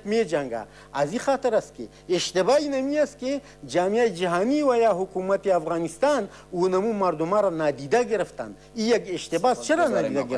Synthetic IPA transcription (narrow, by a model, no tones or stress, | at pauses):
kmed͡ʒɐŋɡa̰ | ɐzixaːt̪ɐɾɐskḛ | eʃt̪ebaːinɐmiɐske | d͡ʒaːmijaːid͡ʒɐɦaːniwɐjaːɦukumɐt̪eɐfɣaːnist̪aːn | uːnɐmumaɾd̪umaɾanaːd̪iːd̪aɡeɾɐft̪a̰n | ijɐɡeʃt̪ebaːst͡ʃʰɐɾanaːd̪iːd̪aɡ